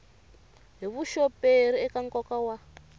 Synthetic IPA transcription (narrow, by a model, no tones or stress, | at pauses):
ɦiβuʃɔpeɾiɛkaŋkɔkawa